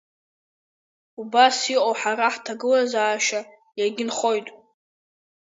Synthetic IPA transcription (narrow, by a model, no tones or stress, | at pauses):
ubasiqʼowħaɾaħtʰaɡɨlazaːʃa | jaɡʲɪnχo̞jtʼ